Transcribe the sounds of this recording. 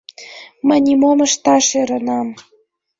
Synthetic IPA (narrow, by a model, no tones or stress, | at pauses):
mə̆nʲimomə̆ʃt̪ɑʃeɾɤ̆nɑm